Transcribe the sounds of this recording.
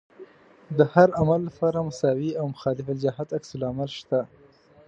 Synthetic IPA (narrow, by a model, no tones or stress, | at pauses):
d̪əhaɾamalːapɑɾamʊsɑwiawmʊxɑlɪfɪld͡ʒaɦat̪aksʊlamalʃt̪a